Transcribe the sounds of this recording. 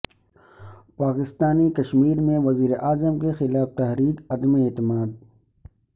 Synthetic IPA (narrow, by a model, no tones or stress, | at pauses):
paːkɪst̪aːnikɐʃmiːɾmẽʋɐziːɾeʔaːzəmkexɪlaːft̪ɐɦɾiːkɐd̪meeːt̪ɪmaːd̪̚